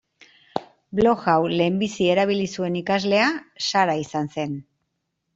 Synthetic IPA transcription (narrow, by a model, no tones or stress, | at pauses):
blo̞ɣawle̞ːmbisie̞ɾaβ̞ilisue̞nikazle̞asaɾaisanse̞n